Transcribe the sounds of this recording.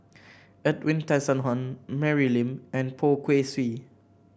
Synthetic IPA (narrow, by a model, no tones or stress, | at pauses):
ɛtwĩntɛ̃nsə̃nɦɔ̃nmɛɹilĩmɛ̃npʰokʰweswi